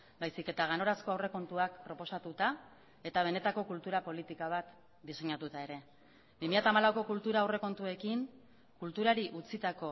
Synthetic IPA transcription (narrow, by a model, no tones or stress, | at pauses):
bajsike̞t̪aɣ̞anoɾasko̞awre̞ko̞nt̪uakpɾo̞po̞sat̪ut̪a | e̞t̪aβ̞e̞ne̞t̪ako̞kult̪uɾapo̞lit̪ikaβat̪ | d̪ise̞ɲat̪ut̪ae̞ɾe̞ | bimiʎat̪aːmalawko̞kult̪uɾaːwre̞ko̞nt̪ue̞kiŋ | kult̪uɾaɾiʔut͡sit̪ako̞